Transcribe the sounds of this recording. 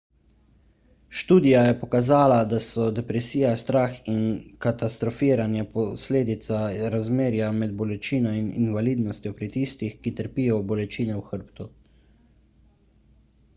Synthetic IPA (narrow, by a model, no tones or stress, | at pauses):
ʃt̪uːd̪ijajɛpɔkazaːlad̪asɔd̪ɛpɾɛsiːjast̪ɾaːxinkat̪ast̪ɾɔfiːɾanjɛpɔsleːd̪it̪saɾazmeːɾjamɛd̪̚bɔlɛt͡ʃiːnainḭnvaliːd̪nɔst̪jɔpɾit̪ist̪ixkit̪əɾpiːjɔbɔlɛt͡ʃiːnɛwxəɾpt̪u